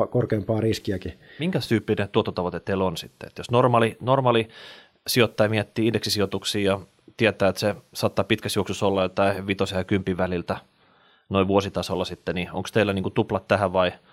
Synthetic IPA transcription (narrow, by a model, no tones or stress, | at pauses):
korkeːmpɑːriskiækimiŋkæsyːpːinet̪uot̪ːot̪ɑʋot̪et̪ːeilonsit̪ːḛḛt̪josnormɑːlinormɑːli | siot̪ːɑjɑmiet̪ːiːindeksisiot̪uksiːjɑ | t̪iet̪æːet̪sesɑːt̪ːɑːpit̪kæsjuoksusolːɑjjot̪ɑiʋit̪osɑjɑkympiʋʋælilt̪æ | noiʋʋuosit̪ɑsolːɑsit̪ːenio̰ŋkst̪eilːæniːŋkut̪uplɑt̪t̪æhæʋɑi